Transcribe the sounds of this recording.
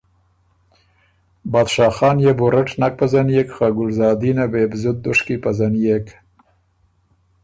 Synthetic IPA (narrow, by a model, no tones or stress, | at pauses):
bɑːd̪ʃɑːxɑːnjebʊɾaʈnak̚pazanjekxaɡʊlzɑːd̪inabebzʊt̪̚d̪ʊʂkipazanjek